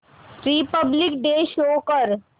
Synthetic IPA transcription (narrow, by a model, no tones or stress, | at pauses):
ɾipəblɪkɖeːʃoːkəɾ